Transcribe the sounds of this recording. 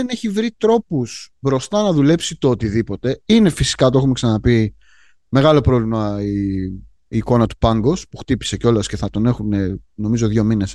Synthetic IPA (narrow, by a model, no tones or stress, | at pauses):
ene̞çivɾit̪ɾo̞pusbɾo̞st̪ɐnɐðule̞psit̪oːt̪iðipo̞t̪e̞ine̞fisi̥kɐt̪oeumeksɐnɐpi | me̞ɣɐlo̞pɾo̞vlimɐiː | ko̞nɐt̪u̥pɐŋɡo̞spuxt̪ipi̥se̞ceo̞lɐsce̞θɐt̪o̞ne̞xune̞no̞mizo̞ðʝo̞mine̞s